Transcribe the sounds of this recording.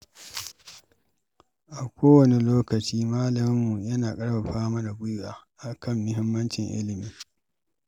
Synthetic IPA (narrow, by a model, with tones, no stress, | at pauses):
ʔa˨kʷoː˦wɐ˨ni˨loː˦kɐ˨t͡ʃiː˦maː˦lɐ˨mɪ˦mːu˨jɐ˦naː˨kʼɐ˦ɽba˨ɸaː˦mɐ˦da˨ɡʷʊ˦jʔaː˨ʔa˨kɐ˦˨mːʊ˦ɦɪ˦mːɐ˦nt͡ʃɪ˨ŋʔɪ̰˦lɪ˨miː˨